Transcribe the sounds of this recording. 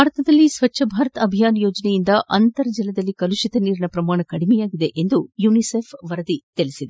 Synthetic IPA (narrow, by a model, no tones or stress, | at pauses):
aːɾɐt̪ɐd̪ɐlːisʋɐt͡ʃːʃʰɐbʱaːɾɐt̪ɐɐbʱijaːnɐjoːd͡ʒɐnɛjind̪ɐʔɐnt̪ɐɾɐd͡ʒilɐd̪ɐlːikɐluʃit̪ɐniːɾinɐpɾɐmaːɳɐkɐɽimɛjaːɡid̪e̞ʔend̪ujuːniseːpʰʋɐɾɐd̪it̪ilisid̪e